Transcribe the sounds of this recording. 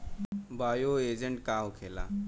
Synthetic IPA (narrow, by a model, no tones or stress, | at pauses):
baːjoeːd͡ʑəɳʈkaːwkʰela̰ː